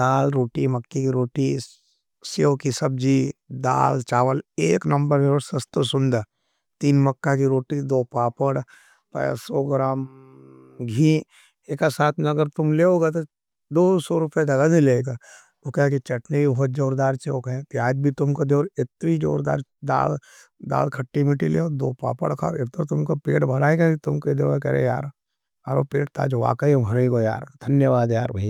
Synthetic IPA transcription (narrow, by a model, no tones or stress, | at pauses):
d̪aːlɾoːʈimɐkːikiɾoːʈi | sokisɐb̚d͡ʒiːd̪a̰ːlt͡ʃaːʋəleːknɐ̃mbəɾmeosɐst̪osʊ̃nd̪əɾ | t̪iːnmɐkːakiɾoːʈid̪oːpaːpəɽ | pɐ̰sɔɡɾaːm | ɡʱĩ | eːkasaːt̪ʰmɐɡəɾt̪ʊmleoːɡat̪o | d̪oːsoɾʊped͡ʒɐɡanileɡa | okɛɦkit͡ʃɐʈneibʱɔːt̪̚d͡ʒoːɾd̪aːɾt͡ʃeokɐẽt̪iaːd͡ʒbʱit̪ʊmkod̪eoːɾɪt̪ɾid͡ʒo̰ːɾd̪a̰ːɾd̪a̰ːl | d̪a̰ːlkʰɐʈːimiʈilḛːod̪oːpa̰ːpə̰ɽkʰa̰ɪɾt̪əɾt̪ʊmkapeːʈbʱɐɽaːeɡakit̪ʊmked̪eoekɛɾḛja̰ːɾ | aɾopeːʈ̚t̪a̰ːd͡ʒʋa̰ːkəĩbʱɐɾeɡoja̰ːɾd̪ʱɐnjəʋaːd̪jaːɾbɐɦi